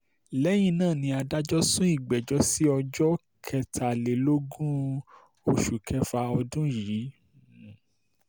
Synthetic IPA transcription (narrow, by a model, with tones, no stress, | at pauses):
lɛ˨˦j̃ĩ˧nãː˦˨nĩ˧a˧da˦d͡ʒɔ˦sũ˦i˦˨ɡ͡bɛ˨d͡ʒɔ˦si˦ɔ˧d͡ʒɔ˦ | kʰɛ˧tʰa˨le˨lo˦ɡũ˦ | o˨ʃu˨kʰɛ˧fa˧ɔ˧dũ˦ji˨˦